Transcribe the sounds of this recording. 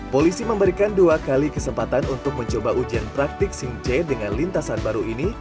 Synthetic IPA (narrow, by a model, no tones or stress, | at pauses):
polisiməmbəɾikanduakalikəsəmpat̪anunt̪ʊk̚məɲt͡ʃobaʔud͡ʒianpɾak̚t̪ɪksiŋt͡ʃɛdəŋanlint̪asanbaɾuʔini